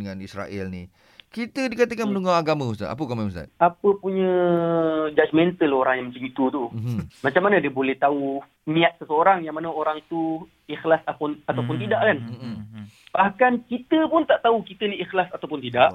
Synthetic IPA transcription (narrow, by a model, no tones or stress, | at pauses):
dəŋanisɾa̰ʔɛ̰lni | kit̪ədikat̪əkanmənuŋɡawaɡamãust̪a̰a̰p̬əkamamusa̰t̪̚apəpuɲə̃ | d͡ʒad͡ʒmɛnt̪əloɾaŋjaŋməɲd͡ʒəɡit̪ut̪umat͡ʃamːanãdiəbolɛht̪au | nĩat̪̚səsəoɾaŋjaŋmanəoɾaŋt̪u | ixlasapʊnat̪awpʊnt̪idaʔkan̩ | baʔakankit̪əpʊnt̪aʔt̪aukit̪əniixlasat̪awpʊnt̪idaʔ